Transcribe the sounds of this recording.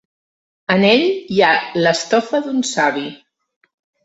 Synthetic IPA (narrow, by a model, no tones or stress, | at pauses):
əneʎjaləst̪ɔfəðunsaβi